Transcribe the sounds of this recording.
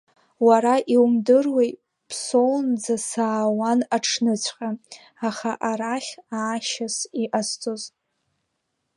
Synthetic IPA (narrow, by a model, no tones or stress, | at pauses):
waɾaʔiwumdɨrwej | pʰsownd͡zasaːwanaʈ͡ʂʰnɨt͡ɕʷʰqʲʼa | aχaʔaɾaχʲaːʃasiʔast͡sʼoz